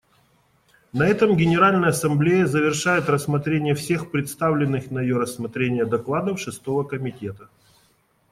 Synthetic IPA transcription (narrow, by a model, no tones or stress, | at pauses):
nɐɛt̪əmɡʲɪnʲɪɾalʲnəjəɐsɐmblʲejəzəvʲɪrʂajɪt̪rəsmɐt̪ɾʲenʲɪjəfsʲe̞xpɾʲɪt̪st̪avlʲɪnːɨxnəjɪjoɾəsːmɐt̪ɾʲenʲɪjəd̪ɐklˠad̪əfʂɨst̪o̞vəkəmʲɪtʲe̞t̪ə